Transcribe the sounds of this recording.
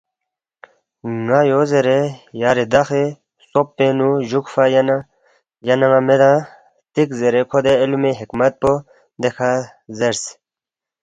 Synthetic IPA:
ŋajozeɾejaɾed̪axe | sopːenuʑukfajn | janaŋamed̪ã | t̪ikzeɾekʰod̪eːlumeɦikmɐt̪̚po | d̪ekʰa | zeɾs

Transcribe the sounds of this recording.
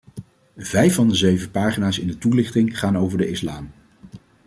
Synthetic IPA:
vɛjfɑndəzeɥvəpaːχinaːsɪndətulɪχtɪŋχaːnowvəɹdəɪslaːm

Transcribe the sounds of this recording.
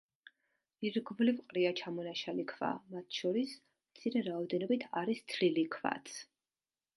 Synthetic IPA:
iɾɡvlivqʼɾiat͡ʃʰamɔnaʃalikʰva̰mat̪ʰʃɔɾis | mt̪sʰiɾɛɾaɔd̪ɛnɔbit̪ʰaɾist̪ʰɾilikʰva̰t̪sʰ

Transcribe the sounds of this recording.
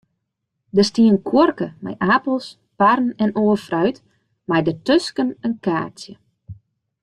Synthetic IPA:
dəstiənkʰworkəma̰jʔapl̩ˠs | parn̩ɛnoːfrœɥt | majdətøskənənka̰ːt͡sjə

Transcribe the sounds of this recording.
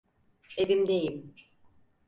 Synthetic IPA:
evimd̪ejim

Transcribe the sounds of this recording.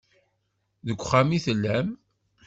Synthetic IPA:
ðəɡʷχːamiθəlːæm

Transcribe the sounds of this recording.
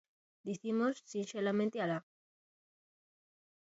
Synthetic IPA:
d̪iθimosːinselament̪iala

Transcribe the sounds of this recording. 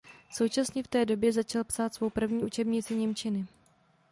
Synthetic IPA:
so̞wt͡ʃasɲɛft̪ɛːdo̞bjɛzat͡ʃalpsaːt̪svo̞wpr̩vɲiːʔut͡ʃɛbɲɪt͡sɪɲɛmt͡ʃɪnɪ

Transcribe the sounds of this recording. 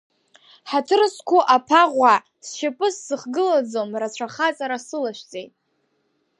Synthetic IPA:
ħatʰɨrskʷʰʊʔapʰaʁʷa | sʃapʼɨsːɨχɡɨlad͡zomrat͡ɕʷʰaχat͡sʼaɾasɨlaʃʷᶣt͡sʼe̞jtʼ

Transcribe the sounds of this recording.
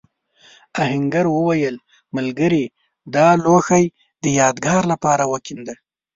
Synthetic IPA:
ahɪŋɡaɾwəwajəl | malɡəɾi | d̪ɑloxaj | d̪əjɑd̪ɡɑɾlapɑɾawəkind̪a

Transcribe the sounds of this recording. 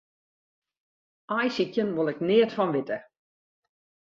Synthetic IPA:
ajsikjənʋolˠɪknɪətfɔnʋɪtə

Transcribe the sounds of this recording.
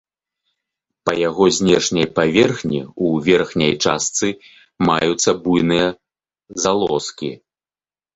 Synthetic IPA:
pɐjaɣɔzʲnʲɛʂnʲɐjpavʲɛrxnʲḭuvʲɛrxnʲɐ̰jt͡ʂa̰st̪sɨ | majut̪sːɐbujnɨjɐ | zalˠɔskʲḭ

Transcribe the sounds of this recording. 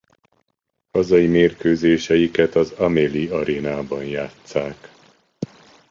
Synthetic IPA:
hɒzɒjimeːrkøːzeːʃɛjikɛt̪ɒzɒmeliɒɾeːnaːbɒnjaːt̪saːk

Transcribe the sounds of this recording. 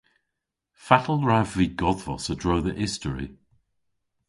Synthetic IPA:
fatəl̩ˠɹavviːɡɔðvɔsədɹoːðəʔɪstəɹḭ

